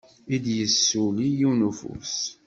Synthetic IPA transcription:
id̪jəsːulijunufṵs

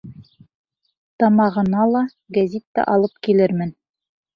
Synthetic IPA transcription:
t̪ɑmɑʁɤ̆nɑlˠɑ | ɡæzʲit̪ːæ̰ʔɑlˠɤpkilɘɾmɘn

